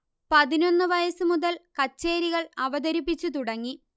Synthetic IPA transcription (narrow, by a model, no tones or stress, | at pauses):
pɐðino̞nːɨʋɐjɐsɨmuðɐlkɐt͡ɕːe̞ːɾiɣɐɭɐʋɐd̪ɐɾip̬ːit͡ɕːut̪̬uɽɐŋːi